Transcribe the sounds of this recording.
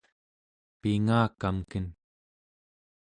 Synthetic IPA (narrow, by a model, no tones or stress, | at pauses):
piŋaːkamkən